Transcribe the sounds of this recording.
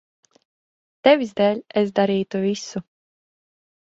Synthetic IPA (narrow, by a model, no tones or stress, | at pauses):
t̪ɛvizd̪ɛːlʲesd̪aɾiːt̪uvʲisu